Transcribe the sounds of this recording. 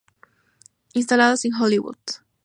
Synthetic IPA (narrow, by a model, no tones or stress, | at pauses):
ins̬t̪alaðoseŋxoliwṵð̥